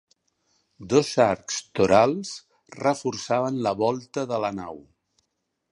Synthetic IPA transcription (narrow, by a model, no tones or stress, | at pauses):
d̪ɔzaɾkst̪uɾalˠs | rəfuɾsaβənləβɔlˠt̪əðələnaw